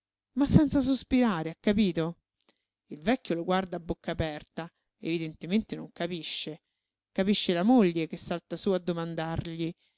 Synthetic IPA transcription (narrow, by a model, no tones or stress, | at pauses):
masːɛnt̪sas̬ospiɾaːɾeakːapiːt̪o | ilvɛkːjoloɡward̪aːbːokːaːpɛrt̪a | ḛvid̪ent̪ement̪enoŋkapiʃːe | kapiʃːelamoʎːek̟esːalt̪asuːad̪ːomand̪arʎi